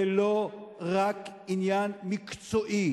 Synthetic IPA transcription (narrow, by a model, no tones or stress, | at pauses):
eloʁakinjanmikt͡soʔi